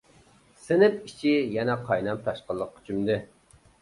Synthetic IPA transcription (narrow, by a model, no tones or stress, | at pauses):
sɪnɪp̚it͡ʃʰijɛnɛqʰɑjnɑmt̪ʰɑʃqəlˠːəqːy̥t͡ʃʰymd̪ɨ